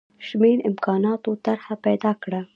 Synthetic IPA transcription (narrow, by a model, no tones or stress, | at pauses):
ʃmenɪmkɑnɑt̪ot̪aɾhapajd̪ɑkɽa